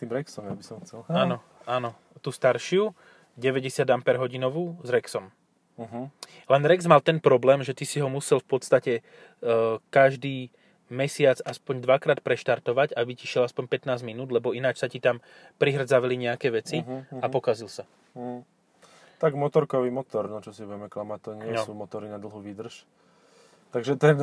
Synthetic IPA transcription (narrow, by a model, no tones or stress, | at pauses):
st̪iːmɾɛksɔmjabisɔmxt͡sɛlaːnɔ | aːnɔ | t̪ust̪aɾʃɪu | ɟɛʋɛɟɛsɪad̪ampɛɾɦɔɟinɔʋuːzɾɛksɔm̩ | ɦ | lɛnɾɛɡzmalt̪ɛnpɾɔblɛːmʒɛt̪isiɦɔmusɛlfpɔt̪st̪acɛ | kaʒd̪iː | mɛsɪat͡saspɔɲd̪ʋakɾaːt̪̚pɾɛʃt̪aɾt̪ɔʋaɟabiciʃɪɛlaspɔɲpɛt̪naːzminuːd̪lɛbɔinat͡ʃsacit̪am | pɾiɦr̩d͡zaʋaliɲɛakɛːʋɛt͡siɦapɔkazilsa | t̪aɡmɔt̪ɔɾkɔʋiːmɔt̪ɔɾnɔt͡ʃɔsiʋɛmɛklamat̪ɔɲɪɛsuːmɔt̪ɔɾinad̪l̩ˠɦuʋid̪r̩ʃ | t̪aɡʒɛt̪ɛn